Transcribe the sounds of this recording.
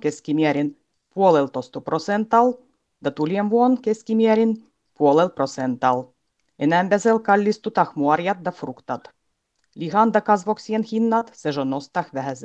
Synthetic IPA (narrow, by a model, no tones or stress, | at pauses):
keskimieɾʲin | puolelt̪ost̪uprosent̪ɑl | d̪̥ɑt̪ulʲienʋuonkeskimiæɾʲin | puolelprot̪sent̪ɑl | enæmbæselkɑlʲːist̪ut̪ɑxmuɑrjɑt̪̚d̪ɑfrukt̪ɑt̪ | lʲixɑnd̪ɑkɑsʋoksienxinːɑt̪seʒonost̪ɑxʋæɦæs